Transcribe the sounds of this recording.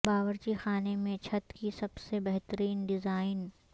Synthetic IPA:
baːʋəɾt͡ʃixaːnemẽt͡ʃʰɐt̪kisɐbsebɛɦt̪əɾiːnɖɪzaːɪn

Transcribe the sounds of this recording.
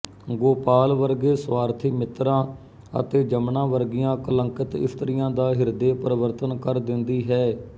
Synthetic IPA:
ɡoːpaːlʋəɾɡeːswaːɾt̪ʰiːmɪt̪ɾãː | ə̰t̪eːd͡ʒəmnãːʋəɾɡɪjãːkələŋkət̪ɪ̰st̪ɾɪjãːd̪aːɦɪɾd̪eːpəɾəʋəɾt̪ənkəɾd̪ɪnd̪iːɦɛː

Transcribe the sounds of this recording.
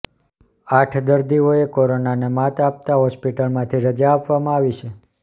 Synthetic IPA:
aʈʰd̪əɾd̪ioekoɾonanemat̪ap̚t̪aɦɔspiʈəlmãt̪ʰiɾəd͡ʒaːpʋamãaʋit͡ʃʰe

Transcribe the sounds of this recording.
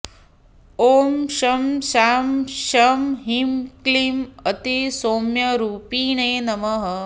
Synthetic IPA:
oːmʃɐmʃaːmʃɐmɦimklimɐt̪isoːmjɐɾuːpiːɳeːnɐmɐɦɐ

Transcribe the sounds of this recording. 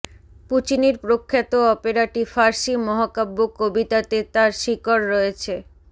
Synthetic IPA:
put͡ɕiniɾpɾokʰːet̪oɔpeɾaʈifaɾʃimɔɦakabːokobit̪at̪et̪aɾʃikoɽːɔet͡ɕʰe

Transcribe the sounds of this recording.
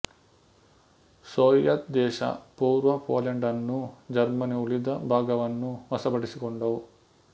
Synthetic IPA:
soːjjɐt̪̚d̪ɛːʃɐ̰puːɾʋɐpo̰ːleɳɖɐnːud͡ʒɐɾmɐniulid̪ɐbʱaːɡɐʋɐnːuʋɐsɐbɐɽisikoɳɖɐʋu

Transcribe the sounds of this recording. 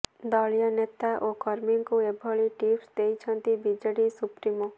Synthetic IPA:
d̪ɔɭijanet̪aʔokɔɾmiŋkuebʱɔɭiʈifsd̪ejt͡ʃʰʌnt̪ibid͡ʒəɽisupɾimɔ

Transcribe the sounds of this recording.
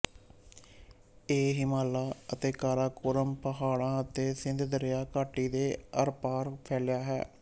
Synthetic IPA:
eːɦimaːlaːət̪eːkaːɾaːkʊɾəmpəɦaːɽãːət̪eːsɪnd̪d̪əɾɪjaːkaːʈiːd̪eːəɾpaːɾpʰɛːlɪjaːɦɛ̰ː

